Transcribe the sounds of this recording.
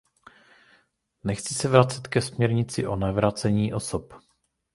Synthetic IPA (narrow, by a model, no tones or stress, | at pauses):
nɛxt͡sɪsɛvɾat͡sɛt̪kɛsmɲɛɾɲɪt͡sɪʔo̞navɾat͡sɛɲiːʔo̞sop